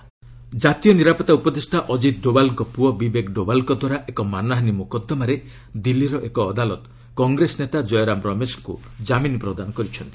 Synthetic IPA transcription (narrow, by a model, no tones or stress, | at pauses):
d͡ʒat̪ijɔniɾapɔt̪aupɔd̪esʈaʔɔd͡ʒit̪̚ɖobalkɔpuɔbibekɖobalkɔd̪waɾaʔekɔmanaɦnimukɔd̪ːɔmaɾe | d̪ilːiɾɔʔekɔːd̪alɔt̪ | kɔŋɡɾesɔnet̪ad͡ʒɔjɾamɾɔmeskṵ | d͡ʒaminpɾɔd̪anɔkɔɾit͡ʃʰɔnt̪i̥